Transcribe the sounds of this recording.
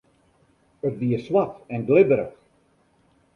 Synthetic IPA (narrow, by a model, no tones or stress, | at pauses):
ərtʋiəswatɛnɡlɪbəɾəχ